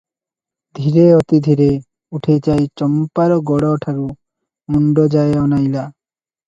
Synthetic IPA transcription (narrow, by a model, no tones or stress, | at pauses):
d̪ʱiɾeɔt̪id̪ʱiɾe | uʈʰet͡ʃajt͡ʃɔmpaɾɔɡɔɽɔʈʰaɾu | muɳɖɔd͡ʒaeɔnajla